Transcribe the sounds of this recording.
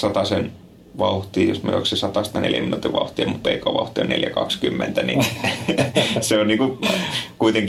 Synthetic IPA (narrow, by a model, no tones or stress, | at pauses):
sɑt̪ɑsen | ʋɑuht̪iːjosmyø̰o̰iksisɑt̪ɑst̪ɑnḛljæ̰minut̪iʋʋɑ̰uht̪iːmmuppeikoːʋɑuht̪ionnḛljækɑ̰kskymːḛnt̪ænḭ | seonniːŋkukuit̪eŋk